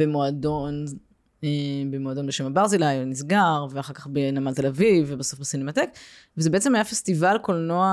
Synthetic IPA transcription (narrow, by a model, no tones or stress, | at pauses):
bemoadon | ebemoado̞nbeʃemabaʁzilajnis̬ɡaʁveaχaʁkaχbenamalt̪elavivebaso̞fbesinemat̪ek | vezebe̞et͡sehajafestivalkolnoa